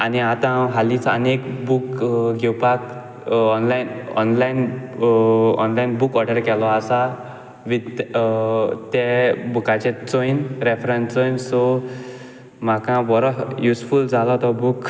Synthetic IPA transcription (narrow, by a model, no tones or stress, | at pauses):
aniat̪ãɦaliːt͡sə̰nekbukɡʱɛwpak | ɔnlainɔ̰nlain | ɔ̰nlainbukɔɾɖəɾkɛlɔasa | ʋit̪ | t̪ɛbukat͡ɕẽt͡sɔjnɾefɾə̃nt͡sɔjnsɔ | m̤akãʋɔɾɔɦjusfuld͡zalɔt̪ɔbuk